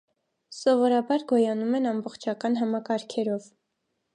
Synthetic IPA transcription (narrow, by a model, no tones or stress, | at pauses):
sɔvɔɾɑbɑɾɡɔjɑnumɛnɑmbɔχt͡ʃʰɑkɑnɦɑmɑkɑɾkʰɛɾɔv